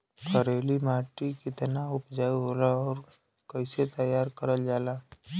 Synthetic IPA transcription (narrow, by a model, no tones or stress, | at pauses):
kʰəɾeːlimaːʈikɪt̪naʊpd͡ʒaːiɦoːlaɔːɾ | kɐɪset̪əjːaːɾkəɾəld͡ʒaːlaː